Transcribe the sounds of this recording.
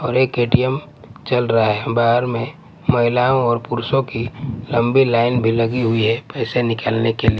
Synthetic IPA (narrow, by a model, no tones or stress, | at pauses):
ɔːɾeːkeːʈijəm | t͡ʃɐlɾaɦaɦɛbaːɦəɾmẽ | mɐɦɪlaːõɔːɾpʊɾsõkilɐ̃mbilaːɪnbʱilɐɡiɦʊiɦɛpɛːsenɪkalnekeli